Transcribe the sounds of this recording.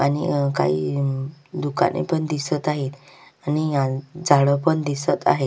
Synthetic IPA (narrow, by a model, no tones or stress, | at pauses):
anika̰ɦḭ | d̪uka̰nḭpəɳd̪isət̪aɦet̪ | aniad͡zʱaɭəpəɳd̪isət̪a̰ɦe